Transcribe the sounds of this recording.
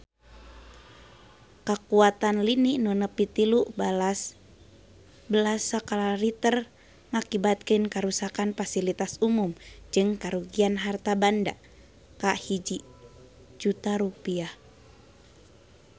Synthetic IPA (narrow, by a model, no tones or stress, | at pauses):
kakuat̪anliniʔnunəpit̪iluʔs | bəlasakalaɾit̪ər | ŋakibat̪̚kənkaɾusakanfasilit̪asumumd͡ʒɨŋkaɾuɡianɦart̪abanda | kahid͡ʒi | d͡ʒut̪aɾupiah